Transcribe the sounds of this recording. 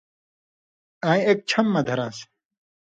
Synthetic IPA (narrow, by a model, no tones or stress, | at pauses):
aːjek̚t͡ɕʰɐmːɐd̪ʱɐɾaːs